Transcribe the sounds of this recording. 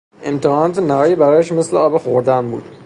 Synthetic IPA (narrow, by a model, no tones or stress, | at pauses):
e̞mt̪ʰehɒːnɒːt̪ʰenæɦɒːjebæɾɒːjæʃme̞sleɒːbexoɾd̪ænbṵːd̪̥